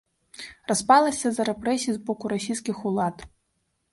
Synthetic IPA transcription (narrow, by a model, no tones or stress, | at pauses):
raspalˠɐsʲɐzɐɾɛpɾɛsʲiizbɔkuɾasʲijskʲixulˠat̪